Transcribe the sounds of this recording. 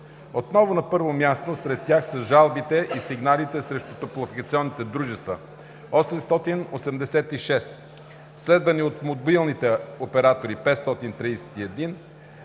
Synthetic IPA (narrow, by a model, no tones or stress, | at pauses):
ot̪nɔvʊnɐpɤɾvomʲjast̪osɾɛt̪ːjaxsɐʒalˠbit̪ɛʔisiɡnalit̪ɛsɾɛʃt̪ʊt̪oplˠofikət̪siɔnːit̪ɛd̪ɾuʒɛst̪və | ɔsɛmst̪ɔt̪inosɛmd̪ɛsɛt̪iʃɛs | slɛd̪vɐniot̪mod̪bilˠnit̪ɛopɛɾat̪oɾipɛt̪st̪ɔt̪int̪ɾijsɛ̥t̪iɛd̪in